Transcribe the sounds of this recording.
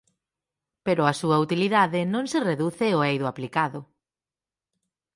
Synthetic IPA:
peɾʊɐsuɐut̪iliðaðɪnõŋsɪreðuθɪoejðʊaplikaðʊ

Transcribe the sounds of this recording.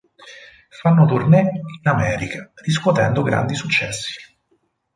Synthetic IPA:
fanːot̪urnɛinamɛːɾikariskwɔt̪ɛ̰nd̪oɡɾa̰nd̪isut͡ʃːɛ̰sːi̥

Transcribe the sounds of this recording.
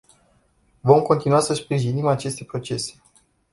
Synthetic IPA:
vo̞mko̞nt̪inuasəspɾiʒinimat͡ʃe̞st̪e̞pɾo̞t͡ʃe̞se̞̥

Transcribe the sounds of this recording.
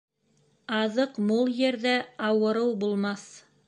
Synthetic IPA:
ɑðɤqmulˠjɘ̆ɾðæɑwɤ̆ɾɤwbulˠmɑθ

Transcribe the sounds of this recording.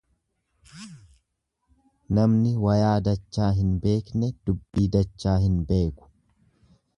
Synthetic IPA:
nɐmnɪwɐjaːd̪ɐt͡ʃːaːɦɪnbe̞ːknɛd̪̥ʊbːiːd̪ɐt͡ʃːaːɦɪnbe̞ːkʊ̥

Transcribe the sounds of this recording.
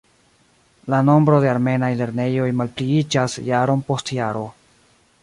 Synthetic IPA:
lano̞mbɾo̞de̞aɾme̞najle̞ɾne̞jo̞jmalpliid͡ʒasjaɾo̞npo̞stjaɾo̞

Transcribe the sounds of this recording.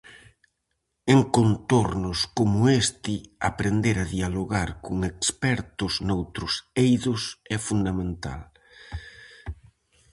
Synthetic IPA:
eŋkont̪oɾnʊskomʊest̪ɪa̰pɾend̪eɾaðialoɣaɾkʊŋekspɛɾt̪ʊznowt̪ɾʊsejðʊsɛfund̪amẽnt̪a̰l

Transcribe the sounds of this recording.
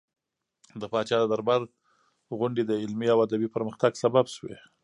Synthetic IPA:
d̪əpɑt͡ʃɑd̪əd̪aɾbaɾ | ɣʊɳɖed̪əɪlmiawad̪abipəɾməxt̪aɡsababʃwḛ

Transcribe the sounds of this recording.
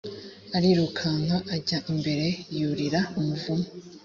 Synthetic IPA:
aɾiɾukʰaŋaʔaɟaʔimbe̞ɾe̞juɾiɾaumuvumo

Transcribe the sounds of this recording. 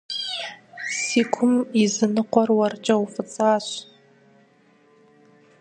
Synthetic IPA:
siːkʷʰʊmizɨnɨqʷɔrwɐrt͡ʃʼɐwfɨt͡sʼaːɕ

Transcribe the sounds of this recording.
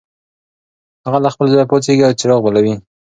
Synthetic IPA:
haɣalaxpəlzɑjpot͡seɡiawt͡ʃɪɾɑɣbalawi

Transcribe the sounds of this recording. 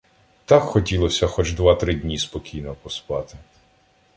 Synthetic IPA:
t̪ɑkxɔtʲilˠɔsʲɐxɔt͡ʃd̪ʋɑt̪ɾɪdʲnʲispɔkʲijnɔpɔspɑt̪ɪ

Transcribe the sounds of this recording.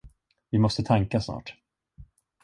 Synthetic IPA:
vɪmɔst̪ət̪ʰaŋkasnɑ̰ːʈ

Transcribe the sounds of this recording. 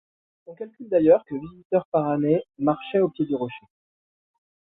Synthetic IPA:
sɔ̃kalkʲyld̪ajœʁkəvizit̪œʁpaʁanemaʁʃɛopjed̪yʁɔʃe

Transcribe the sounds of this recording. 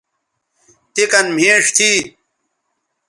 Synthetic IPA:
t̪ikɐnm̤ʱẽːʂt̪ʰiː

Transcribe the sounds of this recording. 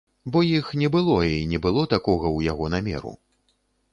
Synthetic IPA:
bɔjixnʲɛbɨlˠɔinʲɛbɨlˠɔt̪akɔɣɐwjaɣɔnamʲɛ̰ɾṵ

